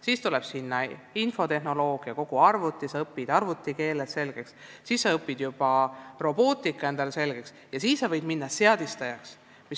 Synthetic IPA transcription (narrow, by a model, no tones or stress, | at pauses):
siːst̪ulɛb̥sinːɑinfo̞t̪e̞ɦno̞lo̞ːɡ̥iɑko̞ɡ̥uɑrvut̪ːˑisɑɤpːid̪̥ɑrvut̪ːˑike̞ːlesse̞lɡ̥e̞kssiːsːɑɤpːid̪̥jub̥ɑro̞b̥o̞ːt̪ˑikːˑɑe̞nd̪̥ɑlese̞lɡ̥e̞ks | jɑsiːsːɑvɤjd̪minːɑse̞ɑd̪̥ist̪ɑjɑks | mis